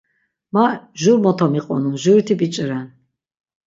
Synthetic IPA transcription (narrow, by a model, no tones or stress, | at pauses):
maʒuɾmɔt̪ʰɔmiqʼɔ̰nunʒuɾit̪ʰibit͡ʃʼɾɛn